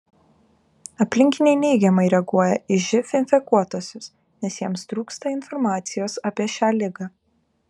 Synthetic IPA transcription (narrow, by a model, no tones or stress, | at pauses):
ɐpʲlʲɪŋʲkʲɪnʲɛɪnʲɛɪɡʲɛmɐɪɾʲɛɡuɔjɛɪʒʲɪfʲɪnʲfʲɛkuɔt̪oːsʲʊs | nʲɛsjiɛmst̪ɾuːkst̪ɐɪnfɔɾmɑːt̪sʲɪjoːsɐːpʲiɛʃʲæːlʲɪɡɑː